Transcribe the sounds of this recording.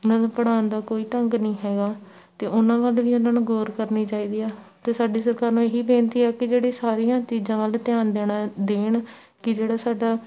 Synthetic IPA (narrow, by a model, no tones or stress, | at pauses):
ʊnãːnũpəɽaːnd̪aːkoːiːʈəŋɡnĩːɦɛːɡaː | t̪eːʔʊnãːʋəlʋiːʊnãːnɡoːɾkəɾniːt͡ʃaːiːd̪iːɛːt̪eːsaːɖiːsəɾkaːɾnũːeːɦiːbẽːnt̪iːɛːkɪd͡ʒeːɽiːsaːɾijãːt͡ʃiːzãːʋəlt̪ɪjaːnd̪eːɽaːd̪eːɳ | kɪd͡ʒeːɽaːsaːɖaː